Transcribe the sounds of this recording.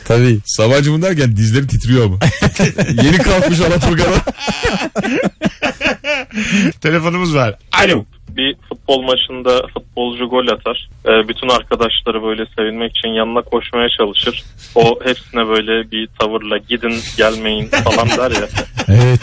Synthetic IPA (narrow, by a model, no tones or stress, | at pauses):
t̪ʰabiːsaβad͡ʒɯmɯd̪æɾcænd̪izlʲe̞ɾit̪ʰit̪ʰɾijo̞ɾmu | je̞nikʰalˠkmɯʃ̬alˠant̪ʰkad̪a | t̪ʰe̞lʲe̞fo̞numɯzvaɾ̥ao | bifut̪̚bo̞lˠmaʃɯnd̪afut̪̚bo̞lˠd͡ʒuɡo̞lʲjat̪ʰaɾ̥ɛːbyt̪ʰynaɾkʰad̪aʃlˠaɾɯbø̞jlʲɛse̞vinmɛci̥t͡ʃʰinjanɯnakʰo̞ʃmajat͡ʃʰalˠɯʃɯɾ̥ohepsinɛbø̞jlʲɛbit̪ʰavɯɾlˠaɟid̪inɟælʲme̞jinfalˠand̪æɾjaevɛt̪